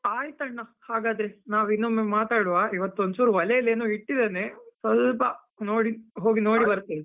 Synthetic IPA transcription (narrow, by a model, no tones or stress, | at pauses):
aːjt̪ɐɳːɐhaːɡaːd̪ɾenaːʋinːumemaːt̪aːɽuʋaːʔiʋɐt̪ːonsuːɾuʋɐlɛjɐleːnuːiʈːid̪eneːsʋɐlpɐ | no̞ːɽiɦo̞ːɡino̞ːɽibɐɾt̪ːe